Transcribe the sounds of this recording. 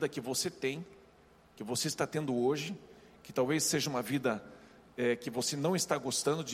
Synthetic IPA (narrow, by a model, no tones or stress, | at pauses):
d̪ɐkɪvoset̪ẽj̃ | kɪvoseɪst̪at̪ẽnd̪ʊoʒɪ | kɪ̥t̪awvesːeʒɐũmɐvid̪ɐ | ɛkɪvosenɐ̃w̃ɪst̪aɡost̪ɐ̃nd̪ʊd͡ʒɪ